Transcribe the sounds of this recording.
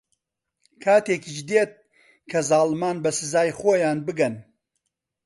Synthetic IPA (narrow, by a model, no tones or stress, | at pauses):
kʰaːt̪eːkid͡ʒd̪et̪̚ | kʰɐzaːlmaːnbɐsɨzaːjχoːjaːnbɨɡɐn